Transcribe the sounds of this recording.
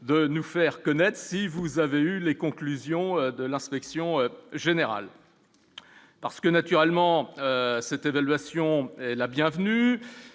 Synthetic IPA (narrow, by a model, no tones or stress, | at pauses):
d̪ənufɛʁkɔnɛt̪χsivuzaveylekɔ̃klyzjɔ̃ød̪əlɛ̃spɛksjɔ̃øʒeneʁa̰l | paʁsə̥kənat̪yʁɛlmɑ̃øsɛt̪evalɥasjɔ̃ɛlabjɛ̃vny